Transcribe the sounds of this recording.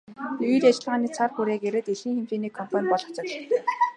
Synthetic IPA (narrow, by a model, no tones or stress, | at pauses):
ɵjɾat͡ɕɪ̆ɮʁaːniːt͡sʰarxuɾeːkeɾĕt̪iɮxiːŋxemt͡ɕeːniːkʰːɔm̥pʰanʲpɔɮɞ̥̆kt͡sɞ̆t͡ɕ